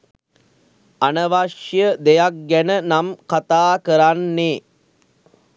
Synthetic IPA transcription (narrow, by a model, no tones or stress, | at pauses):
anəʋaʂjəd̪ejak̚ɡænənamkat̪aːkəɾanːeː